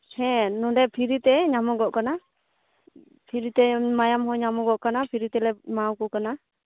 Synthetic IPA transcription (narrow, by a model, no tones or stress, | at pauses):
hɛ̃nɔɖɛpʰiɾit̪ɛɲamɔɡɔʔkana | pʰiɾit̪ɛmajamɦɔɲamɔɡɔʔkanapʰiɾit̪ɛlɛmawkɔkana